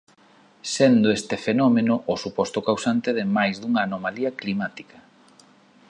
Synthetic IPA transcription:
send̪ʊest̪ɪfenɔmenʊʔʊsupɔst̪ʊkawsant̪eðɪmajzðuŋaːnomaliɐklimat̪i̥kɐ

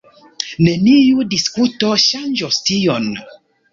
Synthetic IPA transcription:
nenijudiskutɔʃand͡ʒɔstiɔn

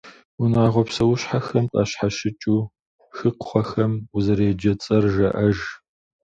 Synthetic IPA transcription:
unaːʁʷɔpsɐwʊɕħaxɐmtʼa̰ːɕħaʃɪt͡ʃʼuː | xɨqχʷɔxɐmuzɐɾeːd͡ʒɐt͡sʼɐrʒɐʔɐʒ

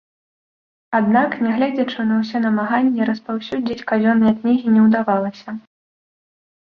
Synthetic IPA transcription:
ad̪naknʲɛɣlʲɛd͡zʲɐt͡ʂɨnɐws̬ʲɛnɐmaɣanʲːɛɾɐspawsʲud͡zʲit͡sʲkazʲɔnːɐjɐknʲiɣʲinʲɛwd̪avalˠɐsʲɐ

